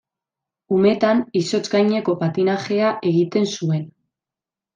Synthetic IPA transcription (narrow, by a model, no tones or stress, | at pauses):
ume̞t̪aniso̞t͡sɡajɲeko̞pat̪inaxe̞aʔe̞ɣit̪e̞nsue̞n